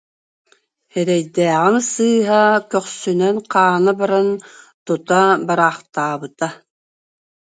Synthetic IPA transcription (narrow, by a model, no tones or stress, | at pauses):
hɛɾɛjd̪ɛːʁinsɯːɦakœχsynœnqʰaːnabaɾan | t̪ut̪abaɾaːχt̪aːβɯt̪a